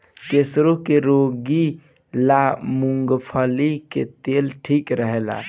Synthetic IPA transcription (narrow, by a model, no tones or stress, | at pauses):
kesɾokeɾoɡi | lamuŋɡpʰəlikḛt̪elʈʰikɾəɦela̰